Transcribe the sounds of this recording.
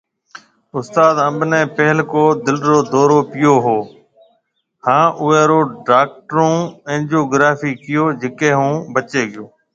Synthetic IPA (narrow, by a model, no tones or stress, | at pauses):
ʊst̪aːd̪ə̃mbnẽːpɛɦɪlkoːd̪ɪlɾoːd̪oːɾoːpɪjoːɦoː | hãːʔʊʋeːɾoːɖaːk̚ʈɾũːẽːnd͡ʒoːɡɾaːfiːkɪjoːd͡ʒɪkẽːɦũːbət͡ʃeːɠɪjoː